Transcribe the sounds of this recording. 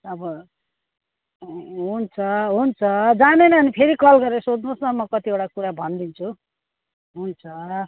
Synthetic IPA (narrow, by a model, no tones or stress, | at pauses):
ʌbʌ | ɦunt͡sʰʌɦunt͡sʰʌd͡zanejnʌːnipʰeɾikʌlɡʌɾesod̪nusnʌmʌkʌt̪iewʈakuɾabʱʌnd̪int͡sʰu | ɦunt͡sʰʌ